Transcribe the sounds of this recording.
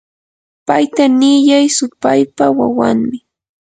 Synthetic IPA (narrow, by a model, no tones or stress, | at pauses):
pajt̪anɪjajsʊpajpawa̰waŋmɪ